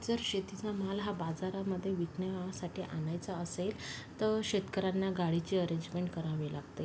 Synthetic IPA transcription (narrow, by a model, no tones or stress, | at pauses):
d͡zəɾɕet̪it͡samalɦabad͡zaɾaməd̪ʱːjeʋiknəʋaʋasaʈʰiːʔanajt͡saəselt̪əɕet̪kəɾanːaɡaɽit͡ɕiːəɾeɲd͡ʑmeɳʈkəɾaʋelaɡt̪e